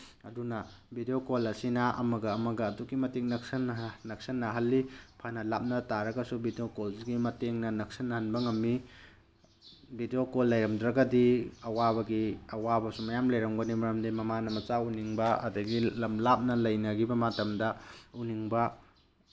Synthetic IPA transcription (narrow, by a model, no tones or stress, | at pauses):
ɐdunɐbʱideokolɐsinɐʔɐ̰mɐɡɐːmɐɡɐːdukimɐteŋnɐksɐnnɐk̚sɐnːɐɦɐlːipʰanɐlap̚nɐtaɾɐɡɐsubʱideokolsɡimɐteŋnɐnɐk̚sɐnːɐhɐnbɐŋɐmːi | bideokolːɐjɾɐmdɾɐɡɐdiɐwabɐɡiɐwabɐsumɐjamlɐjɾɐmɡɐnimɐɾɐmdimɐmanɐmɐt͡ʃauniŋbɐɐ̰dɐɡilɐmlap̚nɐlɐjnɐɡibɐmatɐmdɐuniŋbɐ